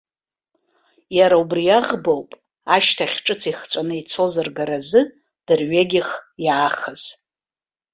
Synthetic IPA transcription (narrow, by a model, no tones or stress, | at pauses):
jaɾaubrijaʁbowpʼ | aʃtʰaχʲʈ͡ʂʼɨt͡sʰiχt͡sʷʼanɨit͡sʰo̞zarɡaɾazɨ | d̥ɨrɥeɡʲɪχjaːχaz̥